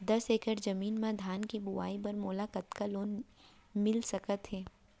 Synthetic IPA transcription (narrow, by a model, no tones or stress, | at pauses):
d̪ɐseːkəɾd͡ʒɐmiːnmãd̪ʱaːnkibʊʋa̰ːipɐɾmoːlaːkɐt̪kaloːn | mɪlsɐkət̪ɦɛː